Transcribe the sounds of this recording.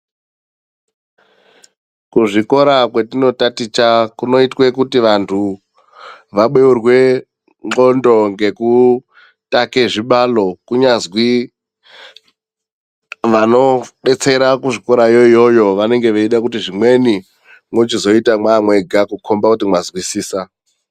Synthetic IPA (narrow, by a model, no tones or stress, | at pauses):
kuʐiko̞ɾakwe̞tino̞tatit͡ʃakuno̞itwe̞kutiʋantʰu | ʋaɓeurwe̞ | ŋ͡ǃondo̞ŋɡe̞ku | takeʐiɓalo̞kuɲazwi | ʋano̞ɓe̞t͡se̞ɾakuʐiko̞ɾajoijo̞jo̞ʋane̞ŋɡe̞ʋeiɗakutiʐimwe̞ni | mot͡ʃizo̞itamwamwe̞ɡʱakukʰo̞mbakutimwazwisiːsa